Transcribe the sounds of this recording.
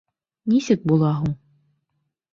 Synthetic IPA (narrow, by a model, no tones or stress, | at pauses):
nisɘk̚bulˠɑɦuɴ